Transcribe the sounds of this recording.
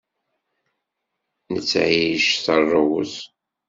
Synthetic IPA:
nət͡sːʕiʃθərˤːəwʊ̰s

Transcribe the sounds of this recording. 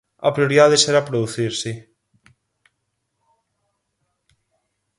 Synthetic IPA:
a̰pɾioɾiðaðesɛɾapɾoðuθiɾsɪ

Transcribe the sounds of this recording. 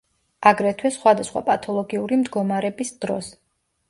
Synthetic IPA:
aɡɾɛt̪ʰwɛsχwad̪asχwa̰pʼat̪ʰɔlˠɔɡiuɾimd̪ɡɔmaɾɛbisd̪̥ɾɔs

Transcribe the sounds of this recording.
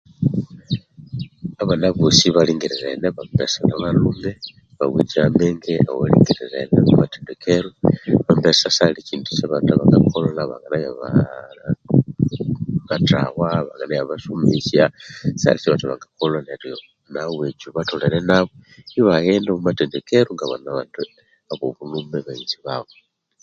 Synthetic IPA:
aβanaβusiβaliːŋɡiɾiɾḛneβambesanaβalumbe | βa̰wḭd͡ʒiameŋɡeawalḭːŋɡiɾiɾḛnemumatendekeɾuβambesasaliciːntu̥t͡ʃaβataβaŋɡakʰolonaβa̰ŋɡanajaβa | βata̰waβaŋɡanajaβaʃumisjasa̰lit͡ʃeβataβa̰ŋɡakoloneɾjo | nawed͡ʒuβatoleɾenaβoiβaɣendomumatendekeɾuŋɡaβa̰naβad | aβoβulumbeβainziβaβo

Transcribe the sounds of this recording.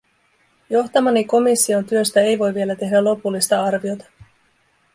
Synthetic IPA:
jo̞xt̪ɑmɑniko̞misːio̞nt̪yø̞st̪æe̞jʋo̞jʋie̞læt̪e̞ɦdælo̞pulːist̪ɑɑrʋio̞t̪ɑ̥

